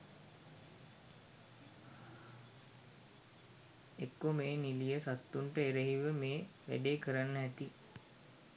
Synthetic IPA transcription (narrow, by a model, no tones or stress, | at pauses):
ekːomeːnilijəsat̪ːuɳʈəeɾəɦiʋəmeːʋæ̰ɖeːkəɾanːəæt̪i